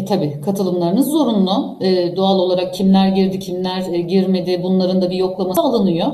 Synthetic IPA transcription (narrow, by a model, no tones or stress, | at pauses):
t̪ʰabiːkʰat̪ʰɯlˠɯmlˠaɾɯnɯzːo̞ɾunlˠu | ɛːd̪oalˠo̞lˠaɾak̚cʰimlʲæɾɟiɾd̪icʰimlʲæɾɟiɾme̞d̪ɪbunlˠaɾɯnd̪abijo̞klˠamasaːlˠanɯjo